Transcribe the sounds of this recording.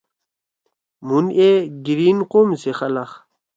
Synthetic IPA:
munʔeɡiɾinqomseχɐlaχ

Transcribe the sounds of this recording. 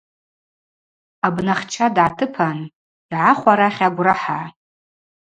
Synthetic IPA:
abnaχt͡ʃʰadʕatʰɨpʰan | iʕaχʷaɾaχʲaɡʷraħaʕ

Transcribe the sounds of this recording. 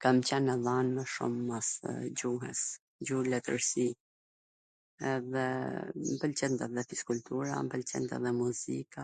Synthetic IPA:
kamt͡ɕɛnːəðanməʃṵmːasd͡ʑuɦɛ̰s | d͡ʑuhlɛt̪əɾsi | ɛðɛmpəlt͡ɕɛnt̪aðɛfiskult̪uɾa̰mpəlt͡ɕɛ̰nt̪a̰ðɛmuzika

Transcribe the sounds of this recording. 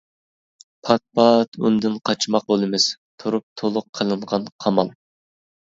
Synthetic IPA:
pʰɑt̪̚pɑt̪und̪ɪnqʰɑt͡ʃʰmɑq̚bolˠɨmɪst̪ʰuɾup̚t̪ʰolˠʊqʰːəlˠɨɴʁɑnqʰɑmɑlˠ

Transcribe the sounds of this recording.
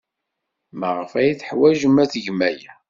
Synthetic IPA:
məʁəfæjiθħwæʒəmːæθəʝmæjæ

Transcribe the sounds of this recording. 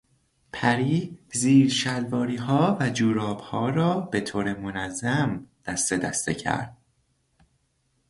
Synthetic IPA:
pʰæɾiːziːɾʃælvɒːɾiːɦɒːvæd͡ʒuːɾɒːbhɒːɾɒːbe̞t̪ʰoːɾemonæzːæmd̪̥æst̪ed̪æ̰st̪ḛcʰæ̰ɾd̪̥̚

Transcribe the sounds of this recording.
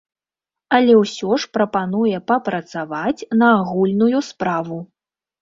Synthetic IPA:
ɐlʲɛwsʲɔʂpɾɐpanujɛpɐpɾɐt̪savat͡sʲnɐːɣulʲnujuspɾavu

